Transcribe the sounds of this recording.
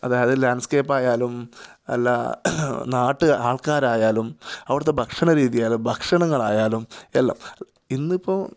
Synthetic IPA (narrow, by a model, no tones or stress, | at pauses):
ɐðaːjɐðɨlaːnɖskeːpːaːjaːlum | ḛlːɐ̰ | naːʈːɨaːɭkaːɾaːjaːlumɐʋiɽɐt̪ːe̞bʱɐkʂɐɳɐɾiːðijaːlumbʱɐkʂɐɳɐŋːɐɭaːjaːlumelːɐ̰m | inːipːoː